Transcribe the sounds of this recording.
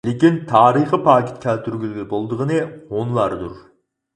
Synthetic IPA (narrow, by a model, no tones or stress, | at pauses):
lekʲint̪ʰɑːɾiχəpʰɑːkʲɪ̥t̪kʲʰælt̪ʰyɾɡʲylɡʲɪbolˠd̪əʁənɨonlˠɑɾd̪uɾ